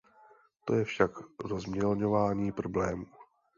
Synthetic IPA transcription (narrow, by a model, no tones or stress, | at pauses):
t̪o̞jɛfʃakɾozmɲɛlɲo̞vaːɲiːpɾo̞blɛːmuː